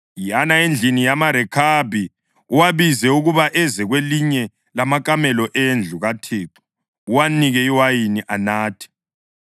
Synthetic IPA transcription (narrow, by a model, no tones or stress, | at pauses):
janaend͡ɮʱinijamaɾɛkʰabʱi | uwaβizɛuɣuβaʔɛzɛɣweliɲɛ | lamakʼamɛlɔʔend͡ɮʱuɣatʰeːǀu̥ː | waniɣɛiwajiniʔanaːtʰɛ̥